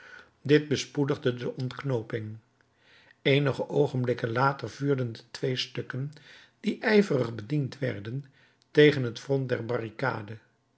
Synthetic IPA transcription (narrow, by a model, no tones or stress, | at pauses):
dɪd̚bəspudəχdədəʔɔntknowpɪŋ | ejnəχəʔowχənblɪkənlaːtəɹvyːɹdəndətʋejstɵkən | d̥iʔɛjvərəχbədintʋɛ̰ɹdən | tejχənɦətfrɔnt̚dɛɹbɑrika̰ːdə